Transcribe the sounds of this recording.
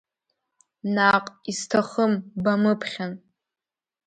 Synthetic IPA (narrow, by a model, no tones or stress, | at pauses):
naqʼistʰaχəmbamɨpʰχʲan